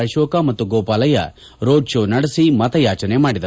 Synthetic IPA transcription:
ɐʃoːkɐmɐt̪ːuɡoːpaːlɐjɐ̰ | ɾoːɖʃoːnɐɽɐsimɐt̪ɐjaːt͡ʃɐnemaːɽid̪ɐɾ

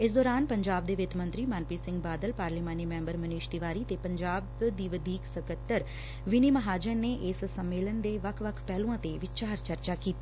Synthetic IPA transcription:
ɪs̬d̪ɔːɾaːnpəɲd͡ʒaːb̚d̪eːʋɪt̪mə̃nt̪ɾiːmaːnpiːsɪ̃ŋɡbaːd̪əlpaːɾliːmãːniːmɛ̃ːmbəɾməniːʃt̪ɪʋaːɾiːt̪eːpəɲd͡ʒaːbd̪iːʋəd̪ʱiːksəkət̪ːəɾ | ʋɪniːməɦaːd͡ʒəneːʔɪssəmːeːlənd̪eːʋəkʰʋəkʰpɛːlũãːt̪eːʋɪt͡ʃaːɾt͡ʃəɾt͡ʃaːkiːt̪eː

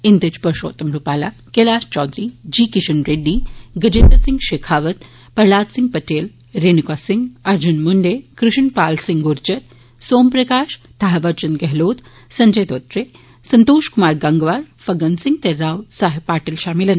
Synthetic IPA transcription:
ind̪ɐt͡ʃpɐɾʃo̰ːt̪ɐmɾupaːla | kelaːʃt͡ʃɔːd̪ɾid͡ʒiːkiʃɐnɾeːɖːiːɡɐd͡ʒenɐsiŋɡʃeːkʰaːʋɐt̪ | pɐɾɭaːt̪siŋɡ̚pɐʈeːl | ɾeːnikaːsiŋɡɐɾd͡ʒunmuɳɖeːkɾɪʃɳpaːlsiŋɡuɾd͡ʒɐt | soːmpɾɐkaːʃ | t̪ʰaɦɐʋɐɾt͡ʃɐnɡɐɦloːt̪ | sɐɲd͡ʒɐjt̪oːt̪ɾe | sɐnt̪oːʃkumaːɾɡɐŋɡʋaːɾ | fɐɡɐnsiŋɡ̚t̪eɾaːwsaːɦipaːʈɐlʃaːmilɐn

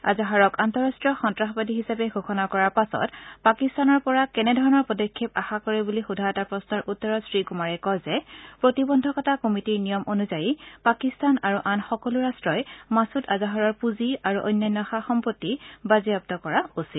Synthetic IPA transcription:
a̰zaɦaɹɔkantɔɹastɹiɔxɔntɹaxbadiɦisapɛɡʱuxʰɔnakɔɹaɹpasɔ̰tpakistanɔɹpɔɹakɛnɛdʱɔɹɔnɔɹpɔdɔkʰːepaxakɔɹɛbulixudʱaɔtapɹɔsnɔɹʔutːɔɹɔsɹikumaɹɛkɔzɛpɹotibɔndʱɔkɔtakomitiɹnijɔmʔonuzajipakistanaɹuʔanxɔkɔluɹastɹɔjmasutazaɦɔɹɔɹpuziaɹuʔɔ̰jnːajnːɔxaxɔmpotːibaziap̚tɔkɔɹaosit

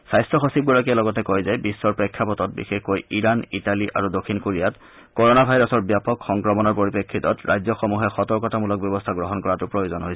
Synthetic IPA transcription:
sajstɹɔxosib̚ɡuɹak̬ialɔɡɔtɛkojzɛbisːɔɹpɹekʰːapɔtɔt̚bḭxexkojiɹanitaliʔa̰ɹudokʰːinkoɹijat | kɔɹɔnabʱajɹɔsɔɹbjapɔkxɔŋkɹɔmɔnɔɹpoɹipekʰːitɔtɹʔajzɔxɔmuɦɛxɔtɔɹkɔtamulɔk̚bjɔbɔstʰaɡɹɔɦɔnkɔɹatupɹojozɔnɦojsɛ

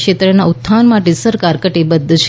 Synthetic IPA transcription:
ʃet̪ɾənaut̪ʰːanmaʈesəɾkaɾkəʈebəd̪ʱːət͡ʃʰ

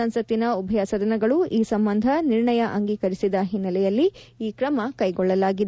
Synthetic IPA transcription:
ɐnsɐt̪ːinɐubʱɐjasɐd̪ɐnɐɡɐɭuiːsɐmbɐnd̪ʱɐniɾɳɐjɐʔɐŋɡiːkɐɾisid̪ɐɦinːɐlɛjɐlːiiːkɾɐmɐkɐjɡɔɭːɐlaːɡid̪

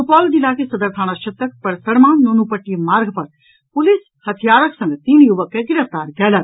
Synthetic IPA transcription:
tupɔːld͡ʒilaːkesɐd̪əɾt̪ʰaːɽ̃aʃɐt̪ːək̚pɐɾsɐɽmaːnːunupəʈːimaːɾɡpɐɾ | pʊlis | hɐt̪ʰijaːɾəksɐ̃ŋɡt̪iːnjuʋəkːeɡɪɾəft̪aːɾɡɛːlɐɾ

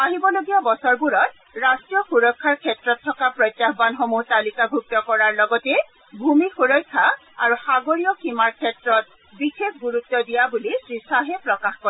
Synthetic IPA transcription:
aɦibɔloɡijabɔsɔɹbuɹɔt | ɹastɹijɔxuɹɔkʰːaɹkʰɛtɹɔtʰːɔkapɹɔjtːaxbanxomuɦtalikabʱuk̚tɔkɔɹaɹlɔɡɔtɛ | bʱumixuɹɔjkʰːa | a̰ɹuxaɡoɹijɔkimaɹkʰɛtɹɔt̚ | bixekɡuɹutːɔdijabulisɹisaɦɛpɹɔkaxkɔɛ

